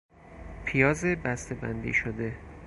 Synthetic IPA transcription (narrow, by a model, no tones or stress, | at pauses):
pʰijɒːzebæst̪ʰe̞bæ̰nd̪ḭːʃod̪e̞